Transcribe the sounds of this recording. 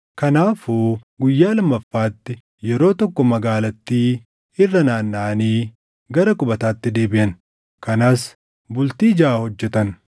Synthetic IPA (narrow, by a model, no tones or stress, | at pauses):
kɐnaːfuːɡʊjːaːlɐmːɐfːaːt̪ːɪ | jɛɾo̞ːt̪ɔkːɔmɐɡaːlɐt̪ːiː | ɪrːɐnaːnːaːniː | ɡɐɾɐkʼʊbɐt̪aːt̪ːɪd̪e̞ːbɪʔɐn | kɐnaːs | bʊlt̪iːd͡ʒɐːhɔd͡ʒːɛt̪ɐn